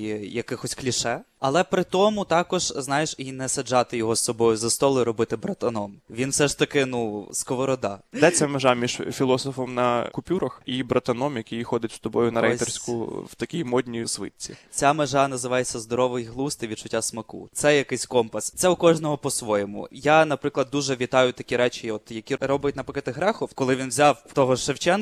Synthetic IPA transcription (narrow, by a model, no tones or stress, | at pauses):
jɐkɪxɔsʲklʲiʃɛ | ɐlˠɛpɾɪt̪ɔmʊt̪ɑkɔʒ̥znɑjeʃinɛsɐd͡ʒɑt̪ɪjɔɦɔssɔbɔjʊzɐst̪ɔlˠʊiɾɔbɪt̪ɪbɾɐt̪ɐnɔmʋʲinwsɛʃt̪ɐkɪnuskɔʋɔɾɔd̪ɑd̪ɛt͡sʲːɐmeʒɑmʲiʒfʲilˠɔsɔfɔmnɐkʊpʲuɾɐxibɾɐt̪ɐnɔmjɐkʲijxɔd̪ɪtʲst̪ɔbɔjʊnɐɾɛjt̪ɛrsʲkʊ̰wt̪ɐkʲijmɔd̪ʲnʲijisʋɪ̰t̪ʲt͡sʲit͡sʲameʒɑnɐzɪʋɑjet͡sʲːɐzd̪ɔɾɔʋɪjɦlˠust̪ɪʋʲid̪t͡ʃʊtʲːasmɐkṵt̪sɛjɐkɪsʲkɔmpɐst̪sɛʊkɔʒnɔɦɔpɔsʋɔjɛmʊ̰janɐpɾɪklˠɐd̪ːuʒɛʋʲit̪ɑjʊt̪ɐkʲiɾɛt͡ʃʲiɔt̪jɐkʲiɾɔbjɐtʲnɐpɪkʲɐt̪ɦɾɛxɔwkɔlˠɪʋʲinwzʲawt̪ɔɦɔʃewt͡ʃɛn